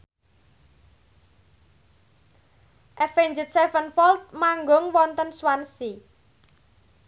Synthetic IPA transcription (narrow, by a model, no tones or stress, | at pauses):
ʔɛfeɲd͡ʒɪt̪̚sɛfənfɔlt̪̚maŋɡʊŋwɔnt̪ənswansi